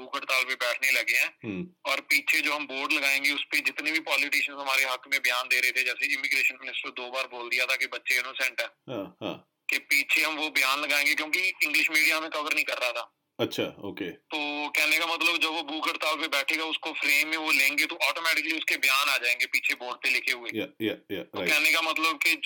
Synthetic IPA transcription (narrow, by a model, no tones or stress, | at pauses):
buːkəɖt̪aːlpebɛːʈʰnelɐɡeɦɛ̃ːɔːɾpiːt͡ʃʰed͡ʒoːɦɐmboːɾɖlɐɡaːẽːŋɡeʊsped͡ʒɪt̪nebʱipɔːlɪʈiːʃənzɦɐmaːɾeɦɐkmẽbɪjaːnd̪eːɾəɦet̪ʰed͡ʒɛːseɪmɪɡɾeːʃənmɪnɪsʈəɾd̪oːbaːɾboːld̪ɪijat̪ʰakebɐtːʃeɪnosɛ̃ɳʈɛ̃ːɦãːhã̰ː | kepiːt͡ʃʰeɦɐmʋobɪjaːnlɐɡaːẽːŋɡekjõːkiɪ̃ŋɡlɪʃmiːɖijamẽkɐʋəɾnəɦĩkɐɾːɐɦat̪ʰaː | ɐtːʃʰaːo̰ːket̪oːkɛɦnekamɐt̪ləbd͡ʒɐbʋobuːkəɖt̪aːlpebɛːʈʰeɡaʊskofɾeːmːẽʋolẽːŋɡet̪oʔɔːʈoːmɛːʈɪkəliʊskebɐjaːnaːd͡ʒaːẽːŋɡepiːt͡ʃʰeboːɾɖ̚pelɪkʰeɦʊeːjatokɛɦnekamɐt̪ləb̚ke